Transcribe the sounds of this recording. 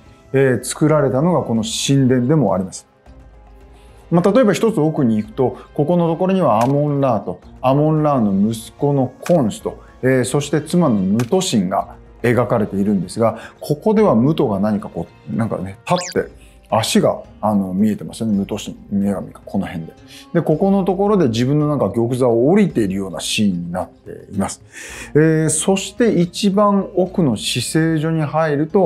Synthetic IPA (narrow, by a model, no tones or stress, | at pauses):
et͡sɨ̥kɯ̟ɾaɾe̞t̪ano̞ɡako̞no̞ɕĩnd̪ẽ̞nd̪e̞mo̞a̰ɾʲimasɨ̥ | mat̪at̪o̞e̞baçi̥t̪o̞t͡sɨo̞kɯ̟ɲ̟iːkɯ̟̥t̪o̞ko̞ko̞no̞t̪o̞ko̞ɾo̞ɲ̟iβaːmõ̞nɾaːt̪o̞amõ̞nɾaːno̞mɯ̟sɨ̥ko̞no̞kʰõ̞ɰ̃ɕi̥t̪o̞ | eːso̞ɕi̥t̪et͡sɨmano̞mɯ̟t̪o̞ɕĩŋɡa̰ | e̞ɡakaɾe̞t̪e̞iɾɯ̟̃nd̪e̞sɨɡakʰo̞ko̞d̪e̞β̞amɯ̟t̪o̞ɡanaɲ̟ikakoː | nãŋka̰ne̞t̪at̪ːe̞̰ | aɕiɡa̰ano̞mʲie̞t̪e̞ma̰sɨjonemɯ̟t̪o̞ɕḭ̃ŋieɡamʲikḁkʰo̞no̞hẽ̞nd̪e̞d̪e̞ko̞ko̞no̞t̪o̞ko̞ɾo̞d̪e̞ʑibɯ̟̃nːo̞nãŋkaɡʲo̞k̬ɯ̟zaoːɾʲit̪e̞iɾɯ̟jo̞ːna̰ɕĩɲːinat̪ːe̞̰imasɨ̥eːso̞ɕi̥t̪e̞it͡ɕibãɰo̞kɯ̟no̞ɕise̞ːʑo̞ɲ̟iɦaiɾɯ̟t̪o̞